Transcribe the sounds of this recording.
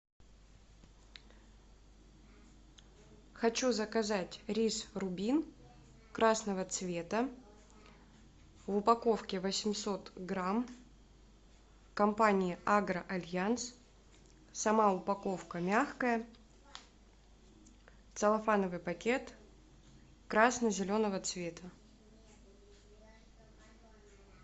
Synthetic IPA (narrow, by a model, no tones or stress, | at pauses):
xɐt͡ɕuzəkɐzatʲɾʲisrʊbʲin | kɾasnəvət̪svʲe̞t̪ə | vʊpɐko̞fkʲɪvəsʲɪmʲso̞t̪ɡɾam | kɐmpanʲɪjɪaɡɾəʔɐlʲjans | sɐmaʊpɐko̞fkəmʲaxkəjə | t̪səlˠɐfanəvɨjpɐkʲe̞t̪ | kɾasnəzʲɪlʲo̞nəvət̪svʲet̪ʰə